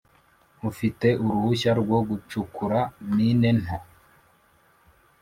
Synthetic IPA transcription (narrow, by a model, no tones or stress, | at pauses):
ufite̞ʔuɾuhuʃaɾɡwoɡut͡ʃukuɾaniːne̞n̥ha